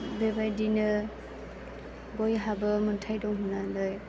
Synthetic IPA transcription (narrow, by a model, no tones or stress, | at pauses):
bebajdinɯ | bɔjɦabɯmɯntʰajdɔŋɦunadɔj